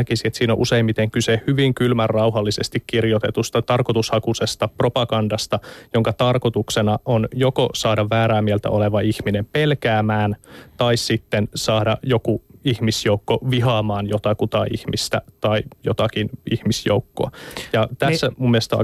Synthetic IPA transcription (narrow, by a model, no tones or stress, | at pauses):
kisiet̪siːno̰ʔuseimmit̪eŋkysehhyʋiŋkylmærːɑuɦɑlːisest̪ikkirjot̪et̪ust̪ɑt̪ɑrkot̪ushɑkusest̪ɑpropɑɡɑndɑst̪ɑjoŋkɑt̪ɑrkot̪uksenɑʔonjokosɑːdɑʋʋæːɾæːmiɛlt̪æ̰oleʋɑihminempelkæːmæːnt̪ɑissit̪ːensɑːɾɑjokuihmisjoukːoʋiɦɑːmɑːnjot̪ɑkut̪ɑḭhmist̪æ̰t̪ɑijot̪ɑkinihmisjo̰ukːo̰ɑjɑt̪æsːæmumːielest̪ɑ̰